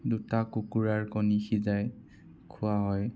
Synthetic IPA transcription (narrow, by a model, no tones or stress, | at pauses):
dutakukuɹaɹkonixizaj | kʰʊaɦɔj